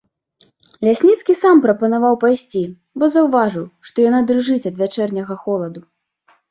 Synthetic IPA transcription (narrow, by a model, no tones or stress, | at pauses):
lʲasʲnʲit̪skʲisampɾɐpɐnavawpajsʲt͡sʲi | bɔzɐwvaʐɨwʂt̪ɔjanad̪ɾɨʐɨt͡sʲɐd̪vʲat͡ʂɛrnʲɐɣɐxɔlˠɐd̪u